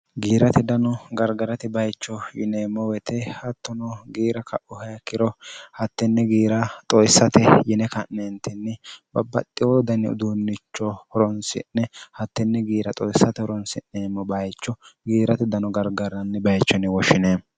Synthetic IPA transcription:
ɡiːɾɐt̪ɪd̪ɐnɔɡɐɾɡɐɾɐt̪ɪbɐjt͡ʃːɔjɪneːmːɔwɛt̪ʰɛhɐt̪ːɔnɔɡiːɾɐkɐʔʊhɐjɐkːɪɾɔhɐt̪ːɛnːɛɡiːɾɐt̪ʼɔjsːɐt̪ɛjɪnɛkɐnːent̪ɪnːɪbɐbːɐt̪ʼːɪwɔd̪ɐnːɛʊ̰d̪uːnːɪt͡ʃːɔhɔɾɔnsɪ̰nːɛhɐt̪ːɪnːɛɡiːɾɐt̪ʼɔjsːɐt̪ɛhɔɾɔnsɪnːemːɔbɐjt͡ʃːɔɡiːɾɐt̪ɪd̪ɐnɔɡɐɾɡɐɾɐnːɪbɐjt͡ʃːɔnɪwɔʃɪneː

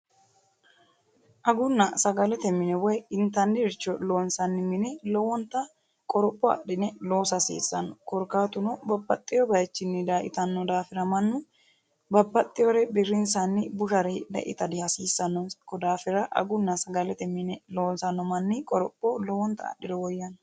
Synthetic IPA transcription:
ʔɐɡʊnːɐsɐɡɐlɛt̪ɛmːɪnɛwɔjɪnt̪ɐndɪɾt͡ʃːɔlo̞ːnsɐnːɪmɪnɛlɔwɔnt̪ɐ | kʼɔɾɔpʼːɔɐ̰ʔɪnɛlo̞ːsɐsḭːsːɐnːɔkɔɾkaːt̪ʊnɔbɐbːɐt̪ʼːɪjɔbɐjɛt͡ʃːɪnːɪd̪aːʔɪ̰t̪ɐnːɔd̪aːfɪɾɐmɐnːʊ | bɐbːɐt̪ʼːɪjɔɾɛbɪɾːɪnsɐnːɪbʊʃɐɾɛd̪ɛ̰ʔɪ̰t̪ɐd̪ɪhɐsiːsːɐnːɔnkɔd̪aːfɪɾɐʔɐ̰ɡʊnːɐsɐɡɐlɛt̪ɛmːɪnɛlo̞ːnsɐnːɔmɐnːɪkʼɔɾɔpʼːɔlɔwɔnt̪ɐ̰ːɗɪd̪ɛwɔjːɐnɔ

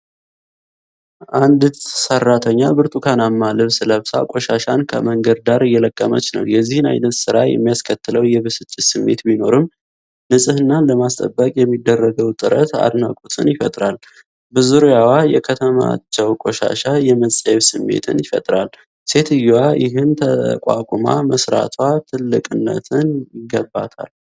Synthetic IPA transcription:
ʔand̪sərːat̪ʰəɲːabɨɾt̪ʼukʰanamːalɨβsləβsa̰kʼo̞ʃaʃankʰə̰məŋɡəɾd̪aɾjɛləkʼːəmət͡ʃːnə̰wjɛzːihɨna̰jnət̪sɨɾajɛ̰mːijaskʰət̪ːɨləwjɛβɨsɨt͡ʃʼːɪsɨmːe̞̰t̪bino̞ɾɨm | nɨsʼɨhɨnːaləmast̪ʼə̰bːəkʼjɛmːid̪ːərːəɡəwt̪ʼɨɾət̪a̰d̪nakʼut̪ʼɨnjɪfə̰t̪ʼɾal | bɨzuɾjawajɛkʰət̪ʰəma̰t͡ʃːɛwkʼo̞ʃa̰ʃajɛməsʼəjɛβsɨmːe̞̰t̪ʰɨ̰njɪfə̰t̪ʼɾal | se̞t̪ʰɨjwajɪɦɨnt̪ʰəkʷʼa̰kʷʼuma̰məsɾa̰t̪ʰwat̪ʰɨlːɨkʼɨnːə̰t̪ʰɨnjɪɡəbːat̪ʰa̰l

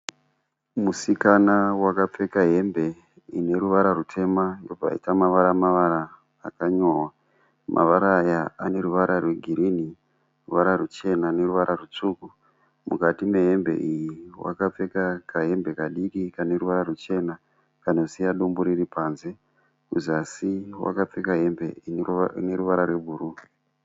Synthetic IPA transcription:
musikanawakap͡fe̞kaɦe̞mbe̞ | ine̞ɾuʋaɾarutʰe̞mando̞b͡va̰ḭtamaʋaɾamaʋaɾaː | kaɲo̞ːwa | mʔa̰ʋaɾajaane̞ɾuʋaɾarwe̞ɡʱiɾini | ruʋaɾarut͡ʃe̞nane̞ɾuʋaɾʔarut͡ʂuku | mṵkatimeɦe̞mbe̞̰ʔijiwa̰kap͡fe̞kakaɦe̞mbe̞kaɗikikane̞ɾuʋaɾarut͡ʃe̞na | kanosijaɗumbuɾiripanze̞ | kuzasiwa̰kap͡fekaɦe̞mbe̞ineɾuʋaɾarwe̞bʱuɾu

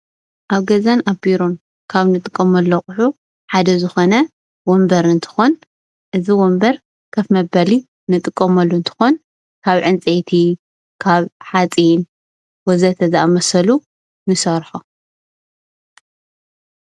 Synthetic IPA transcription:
ʔaβɡɐzanabiɾon | kʰaβnɨt̪ʼɨkʼːɐmɐlːoxʼʊħu | ħad̪ɐzɨxonɐ | wombɐɾɨnt̪ʰɨ̥xon | ʔɨziwombɐɾ | kʰɐfmɐbɐli | nɨt̪ʼɨkʼːɐmɐlːuɨnt̪ʰɨ̥xon | kʰaβʕɨnt͡sʼejt̪ʰi | kʰaβħat͡sʼin | wɔzɐt̪ʰɐzɐʔamɐsɐlu | nɨsɐɾħo

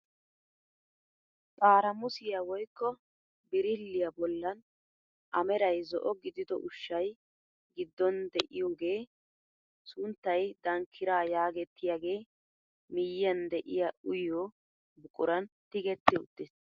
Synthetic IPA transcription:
tʼaːɾɐmʊsɪjawɔjkːɔ | bɪɾɪlːɪjɐbɔlːɐn | ʔɐmɛɾɐjzɔ̰ʔɔɡɪd̪ɪd̪ɔ̰ʔʊʃːɐj | ɡɪd̪ːɔnd̪ɛʔɪjoːɡe̞ː | sʊnt̪ːɐjd̪ɐŋkʰːɪɾaːjaːɡɛt̪ːɪjaːɡe̞ː | mɪjɐnd̪ɛʔɪjɐʔʊjoː | bʊkʼʊɾɐnt̪ɪɡɛt̪ːɪʊ̰t̪ːɪs

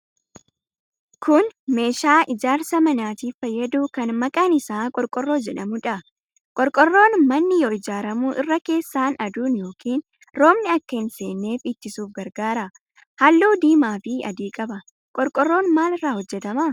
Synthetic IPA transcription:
kʰʊnme̞ːʃaːʔɪd͡ʒaːɾsɐmɐnaːt̪iːfɐjːɐd̪uːkɐnmɐkʼɐnɪsaːkʼɔɾkʼɔrːo̞ːd͡ʒɛᶑɐmʊᶑɐ | kʼɔɾkʼɔrːo̞ːnmɐnːɪjɔɪd͡ʒaːɾɐmuːʔɪrːɐke̞ːsːaːnɐd̪uːnjo̞ːkʰiːn | ɾo̞ːmnɪɐkːɐɪnseːnːe̞ːfɪt̪ːɪsuːfɡɐɾɡaːɾɐ | hɐlːuːd̪iːmaːfɪɐ̰d̪iːkʼɐbɐ | kʼɔɾkʼɔrːo̞ːnmaːlɪrːaːhɔd͡ʒːɛt̪ɐmɐ

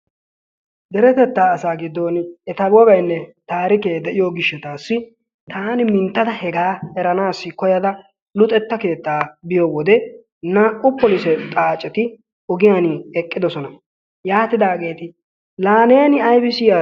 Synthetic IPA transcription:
d̪ɛɾɛt̪ɛt̪ːaːsaːɡɪd̪ːoːnɛt̪ɐbɔɡɐjnːɛt̪aːɾɪke̞ːd̪ɛʔɪjoɡɪʃːɛt̪aːsːɪ | t̪ʰaːnɪmɪnt̪ːɐd̪ɐhɛɡaːɛɾɐnaːsːɪkɔjɐd̪ɐ | lʊt̪ʼɛt̪ːɐke̞ːt̪ːaːbɪjɔwɔd̪ɛ | nɐʔʊpːɔlɪsɛt̪ʼaːt͡ʃʼːɛt̪ɪ | ɔɡɪjanɪɛkʼːɪd̪ɔsɔnɐ | jaːt̪ɪd̪aːɡe̞ːt̪ɪ | laːnɛjɐnɪɐjbɪsɪja

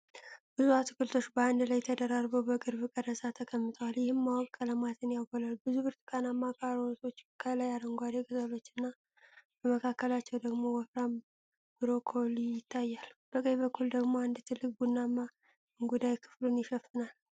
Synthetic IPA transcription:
b̥ɨzuat̪ʰɨkʰɨlt̪ʰot͡ʃːbəand̪lajt̪ʰəd̪əɾaɾbəwbəɡʼɨɾbɨkʼəd̪əsat̪ʰəkʼəmːɨt̪ʼəwaljɪhɨmːawɔkʼkʼələmat̪ʰɨnjalɡolalbɨzubɨɾt̪ʰʼɨkʼanamːakʰaɾoso̞t͡ʃːkʰəlajaɾəŋɡʷad̪ekʼɨzəlo̞t͡ʃːɪnːa | b̥əməkʰakːəlat͡ʃːɛwd̪əɡmo̞wɔfɾam | bɨɾo̞kʰo̞lijjɪt̪ʰːajːalb̥əkʼəjβəkʰːuld̪əɡmo̞and̪ɨt̪ʰɨlːɨk̚ʼbunːamːa | ɨŋɡud̪ajkʰɨ̥flunjɪʃəfːɨnal

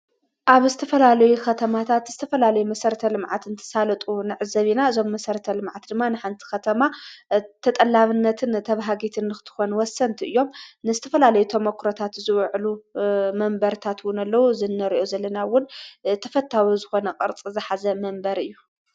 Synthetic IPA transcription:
ʔaβzɨt̪ʰɐfɐlalɐjukʰɐt̪ʰɐmat̪ʰat̪z̥ɨt̪ʰɐfɐlalɐjumɐsɐɾt̪ʰɐlɨmʕat̪ɨnt̪ʰɨ̥salɐt̪ʼunɨʕɨzɐβinaɨzo̞mːɐsɐɾɐt̪ʰɐlɨmʕat̪d̪ɨmːanɨħant̪ʰi̥xɐt̪ʰɐmat̪ʰɐt̪ʼɐlːaβɨnːɐt̪ʰɨnt̪ʰɐβaɦaɡit̪ʰɨnːɨxɨt̪ʰɨ̥xo̞nwɔsːɐnt̪ʰiɨjːo̞mnɨzɨt̪ʰɐfɐlalɐjut̪ʰomɐkʰːɾot̪ʰat̪zɨwʕlumɐmbɐɾt̪ʰat̪wʊnɐlːɐwuzɨnːɐɾiʔozɐlːɐnawʊnt̪ʰɐfɐt̪ʰːawizɨxo̞nɐqʼɨɾt͡sʼizɨħazɐmɐmbɐɾɨjːu

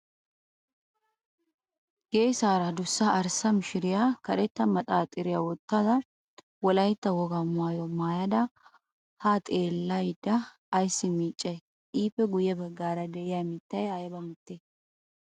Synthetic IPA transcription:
ɡeːsaːɾɐd̪ʊsːɐʔːɾsɐmɪʃɪɾɪjakɐɾɛt̪ːɐmɐt̪ʼaːt̪ʼɪɾɪjawɔt̪ːad̪ɐ | wɔlɐjt̪ːɐwɔɡɐmʊaːjɔmaːjɐd̪ɐ | hat̪ʼe̞ːlːɐjɪd̪ɐː | jsːɪmiːt͡ʃʼːɐj | ʔiːpːɛɡʊjɛbɐɡːaːɾɐd̪ɛʔɪjamiːt̪ːɐjaːjɐbɐmʊt̪ːe

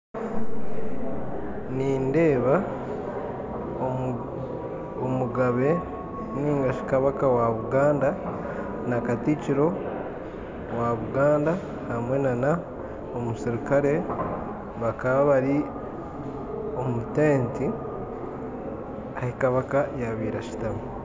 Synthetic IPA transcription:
niːnde̞ːβa | omuɡaβe̞ | niːŋɡaʃi̥kaβakawaβuɡaːnda | nakaticiɾo̞ | waβuɡaːnda | hamwe̞nana | omusiɾikaɾe̞ | βakaβaβaɾi | o̞muteːnti | ahikaβakajaβiːɾaʃi̥taβu

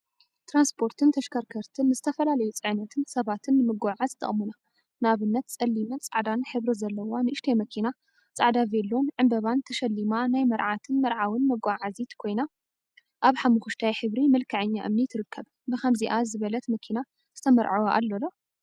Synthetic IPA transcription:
t̪ʰɾanspʰo̞ɾt̪ʰɨnt̪ʰɐʃkʰɐɾkʰɐɾt̪ʰɨnːɨzɨt̪ʰɐfɐlalɐjut͡sʼɨʕnɐt̪ʰɨnsɐβat̪ʰɨnːɨmɨɡaʕazt̪ʰɐ̰χʼmuna | naβɨnːɐt̪t͡sʼɐlːimɐnt͡sʼaʕd̪anħɨβɾɨzɐlːɐwanɨʔɨʃt̪ʰejmɐkʰina | t͡sʼaʕd̪avelːonʕɨmbɐβant̪ʰɐʃɐlːimanajmɐɾʕat̪ʰɨnmɐɾʕawɨnmɐɡaʕazit̪kʰo̞jna | ʔaβħamuxuʃt̪ʰajħɨβɾimɨlkʰɐʕɨɲːaʔɨ̰mnit̪ʰɨɾɨkːɐβ | bɨxɐmziʔazɨβɐlɐt̪mɐkʰina | zɨt̪ʰɐmɐɾʕawaʔa̰lːolo

